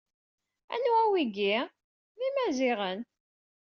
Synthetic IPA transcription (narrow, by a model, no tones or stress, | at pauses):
æ̰nwæwiɡi | mimæziʁən